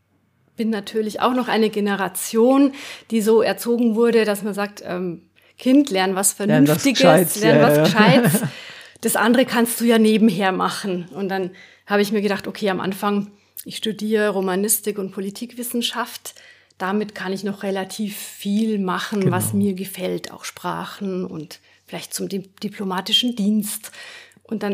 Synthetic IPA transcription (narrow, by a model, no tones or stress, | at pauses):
b̥ɪnːatʰyːɐlɪça̰ʊxnɔχʔa̰ɪnəɡenəʁat͡sjoːnd̥iːzoːɛɐt͡soːɡŋ̩vʊɐɾədasmanzaːk̚tʔɛ̰ːm | kʰɪntlɛɐnvasfɛɐnntɪɡlɛɐnvasʃaɪ | d̥asʔa̰ndəʁəkʰanst̚d̥uːjaːneːbm̩ɦeːɐmaχn̩ʊnt̚d̥an | haːbəɪçmiːɐɡəɾdaχtʔokʰeːamʔa̰nfaŋ | ʔɪçʃtudiːʁəʁomanɪstɪkʊnt̚pʰolitʰiːkv̥ɪsn̩ʃaft | d̥amɪtkʰanɪçnɔχʁelatʰiːfːiːlmaχn̩vasmiːɐɡəfɛlta̰ʊxʃpʁ̥a̰ːχn̩ʊ̰nt | fɪlaɪçtt͡sʊmdd̥ipʰlomaːtɪʃn̩diːnstʔʊntd̥an